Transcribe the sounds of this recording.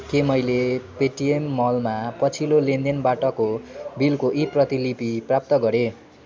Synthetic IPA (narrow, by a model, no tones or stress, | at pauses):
kemʌjlepeʈiemːʌlmapʌt͡sʰilolend̪enbaʈʌkobilkoʔiprʌt̪ilipiprap̚t̪ʌɡʌɾe